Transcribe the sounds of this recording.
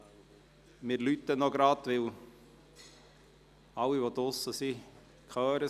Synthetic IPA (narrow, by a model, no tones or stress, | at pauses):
mɪɾlyt̪ənɔɡɾɑtʋɪl | ɑwiʋɔd̪ʊsːəsi | kχœːɾə